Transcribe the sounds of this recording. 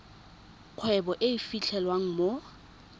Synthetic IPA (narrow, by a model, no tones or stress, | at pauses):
q͡χʰwɛbɔʔeifit͡ɬʰɛlwaŋ̩mo